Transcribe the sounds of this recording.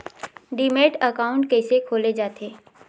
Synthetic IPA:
ɖiːmeːʈəkaːʊ̃ɳʈ̚kɛːsekʰoːled͡ʒaːt̪ʰeː

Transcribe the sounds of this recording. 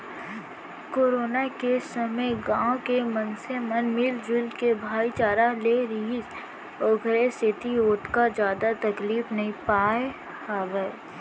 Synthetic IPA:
koːɾoːnakesɐməjɡãːkemənsemənmɪld͡ʒʊlkebʱaːit͡ʃaːɾaleɾiːz | oːɡɾeset̪ioːʈ̪kad͡ʒjaːd̪at̪ɐkliːfnɐɦĩpaːe | haːʋə

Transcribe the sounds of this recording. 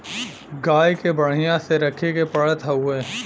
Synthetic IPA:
ɡaːjkebɐɽ̤ijãseɾɐkʰekepɐɽət̪ɦɐueː

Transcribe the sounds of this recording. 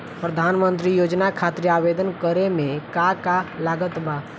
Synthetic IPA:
pɾəd̪ʱaːnmə̃nt̪ɾijoːd͡ʒnakʰaːt̪ɾeaːʋeːd̪ənkəɾemẽkakalaːɡət̪bʱaː

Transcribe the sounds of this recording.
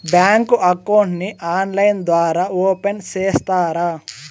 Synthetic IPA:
bjaːŋkuʔɐkɐwɳʈniʔaːnlɐjnd̪ʋaːɾaːoːpenseːst̪aːɾa

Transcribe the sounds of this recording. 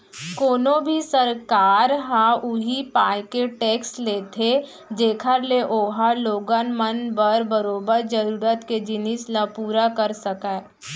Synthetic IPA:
koːnõbʱisəɾkaːɾɦãʔʊɦipaːjkeʈeːksleːt̪ʰe | d͡ʒeːkʰəɾleʔoːɦaloːɡanmənbəɾbəɾoːbəɾd͡ʒəɾuːɾət̪ked͡ʒɪnɪslapuːɾakəɾsəkae

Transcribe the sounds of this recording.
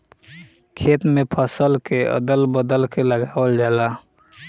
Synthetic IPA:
kʰeːt̪mẽpʰəsəlkeə̰d̪əlbəd̪əlkeləɡaːwəld͡ʒala

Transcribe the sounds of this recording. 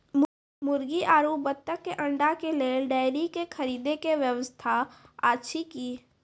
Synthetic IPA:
mʊɾɡiʔaːɾuːpbət̪ːəkːeʔɐ̃ɳɖakeleːlɖaːɪɾikexʰɐɾiːd̪ekeʋjəʋəst̪ʰaaːtːʃʰikiː

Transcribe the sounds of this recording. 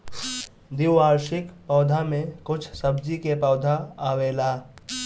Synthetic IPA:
d̪iwːaːɾʃɪkpɔːd̪ʱamẽkʊt͡ʃʰsəbd͡ʒikepɔʊd̪ʱaaːweːlaː

